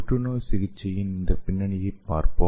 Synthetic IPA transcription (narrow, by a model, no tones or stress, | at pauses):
ʈːunosɪɣɪt͡ʃːɐjɪnnd̪ɐpɪnːɐɳɪjɐpːaːɾpo